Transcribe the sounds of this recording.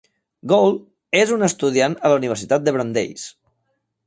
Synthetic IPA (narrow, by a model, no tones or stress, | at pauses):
ɡol | ezunəst̪uð̞ianələuniβ̞əɾsit̪at̪̚d̪əβ̞ɾənd̪ḛjs